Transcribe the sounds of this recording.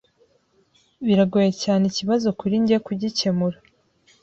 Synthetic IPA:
βiɾaɡojecaːniciβazo̞kuɾiɲɟekuɟice̞muɾa

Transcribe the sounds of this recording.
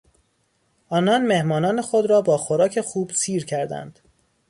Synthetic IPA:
ʔɒːnɒnme̞hmɒːnɒːnexo̞d̪ɾɒːbɒːxoɾɒːcʰe̞xuːbsiːɾcʰæɾd̪æ̰nd̪̥

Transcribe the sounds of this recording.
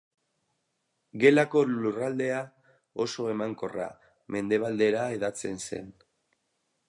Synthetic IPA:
ɡe̞lako̞lurald̪e̞a | o̞so̞e̞maŋko̞ra̰ | me̞nd̪e̞β̞ald̪e̞ɾae̞ðat͡se̞nse̞̰n

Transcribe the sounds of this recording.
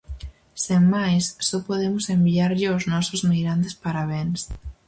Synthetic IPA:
semmajsːopoðemʊsembiaɾʎɪoznɔsozmiɣɾant̪espaɾaβ̞ens

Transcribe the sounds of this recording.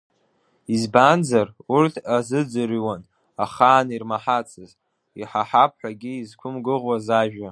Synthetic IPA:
izband͡zarurtʰazɨd͡zɨɾiwan | aχaːnirmaħat͡sʰɨz | iħaħap̚ʰħʷᶣaɡʲiizkʷʰʊmɡɨʁwazaʒᶣa

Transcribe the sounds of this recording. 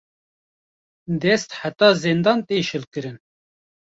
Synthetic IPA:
d̪ɛst̪ħat̪ɑːzend̪ɑːnt̪eːʃɨlkɨɾɨn

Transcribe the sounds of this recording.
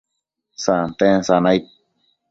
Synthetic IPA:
sant̪ẽsanajt̪̚

